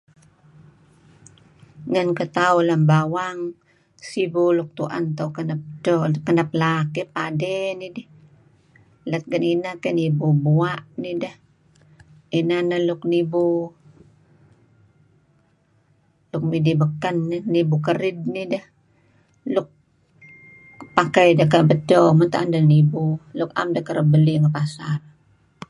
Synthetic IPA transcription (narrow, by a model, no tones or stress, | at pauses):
ŋankət̪aulambawaŋ | sibuluk̚t̪ṵʔa̰nt̪aukənap̚dokənap̚lakipadenidi | lat̪̚ɡəninakenibubuaʔnidah | inanalʊknibu | luk̚midibəkənːinibuk̬əɾid̚nidəh | luk̚ | pakajdəkabətomənt̪aʔandanibuluka̰mdakəɾəbəliŋəpasar